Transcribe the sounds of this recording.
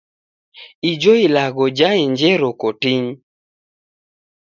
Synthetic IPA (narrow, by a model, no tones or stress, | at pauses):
id͡ʒoilaɡɔd͡ʒaeɲd͡ʒɛɾokotiɲ